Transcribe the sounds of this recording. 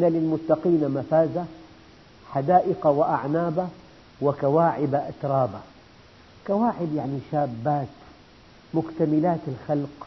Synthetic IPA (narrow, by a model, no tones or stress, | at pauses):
ʔnalɪlmʊt̪ːɑqiːnamafaːza | ħad̪aːʔɪqawɪʔa̰ʕnaːba | wɪkawaːʕɪbaʔat̪ɾˤɑːba | kawaːʕɪbjaʕniʃaːbːaːt̪ | mʊkt̪amɪlaːt̪ɪlxalq